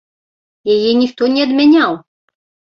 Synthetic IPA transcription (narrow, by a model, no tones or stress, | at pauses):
jajɛnʲixt̪ɔnʲɛɐd̪mʲanʲaw